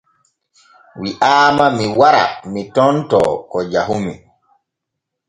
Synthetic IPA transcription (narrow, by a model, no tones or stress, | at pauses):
wiʔaːmamiwaɾa̰mitɔntɔ̰kɔd͡ʒaɦumi